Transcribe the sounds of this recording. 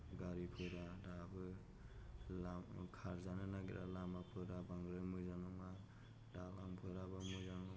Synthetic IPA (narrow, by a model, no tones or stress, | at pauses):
ɡaɾipʰɯɾadabɯ | lamkʰaɾzanɯnaɡiɾa̰lamapʰɯɾabaŋɡɾɯmɯzanɔma | dalampʰɯɾabɯmɯzaŋɔ